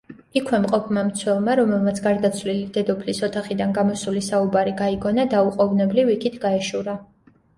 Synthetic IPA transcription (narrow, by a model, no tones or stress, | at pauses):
ikʰwɛmqʼɔpʰmamt̪sʰwɛlˠmaɾɔmɛlˠmat̪sʰɡaɾd̪at̪sʰvlilid̪ɛd̪ɔpʰlisɔt̪ʰaχid̪anɡamɔsulisaubaɾiɡaiɡɔnad̪auqʼɔvnɛblivikʰit̪ʰɡaɛʃuɾa